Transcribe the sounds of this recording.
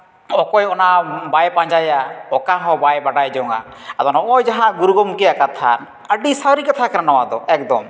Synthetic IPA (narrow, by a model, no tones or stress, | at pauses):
ɔkɔjɔnabajpãɲd͡ʒajaɔkaɦɔbajbaɖajd͡ʒɔŋa̰ | at̪ɔnaɔjd͡ʒaɦãɡuɾuɡɔmkɛjakat̪ʰa̰n | əɖisaɾikat̪ʰakɛɾanɔwad̪ɔɛk̚d̪ɔm